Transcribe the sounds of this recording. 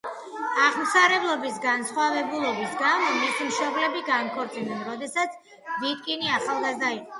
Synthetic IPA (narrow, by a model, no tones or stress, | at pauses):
aʁmt̪saɾɛblˠɔbisɡansχwavɛbulˠɔbisɡamɔmisimʃɔblɛbiɡankʰɔɾt̪sʼinɛnɾɔd̪ɛsat̪sʰ | vit̪kʼiniaχalˠɡazd̪aiqʼɔ